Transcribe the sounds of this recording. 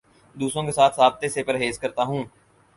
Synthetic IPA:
d̪uːsõːkeːsaːt̪ʰsaːb̚t̪esepəɾɦeːskəɾt̪aːɦũː

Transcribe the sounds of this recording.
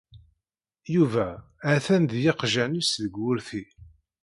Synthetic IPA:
juvææθænðjɪqʒænisðəɡːʊɾθi

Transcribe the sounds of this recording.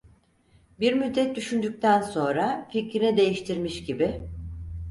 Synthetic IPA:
biɾmyd̪ːɛt̪̚d̪yʃynd̪yc̚t̪ʰænso̞nɾaficɾinid̪e̞jiʃt̪ʰiɾmiʃɟibi

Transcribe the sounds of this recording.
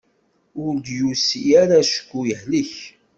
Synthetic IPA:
ʊɾd̪jusiæɾaʃə̥kːujəhliç

